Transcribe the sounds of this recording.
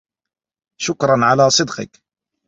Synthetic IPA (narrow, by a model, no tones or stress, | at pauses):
ʃʊkɾˤɑnʕalæsˤɨd̪qə̰k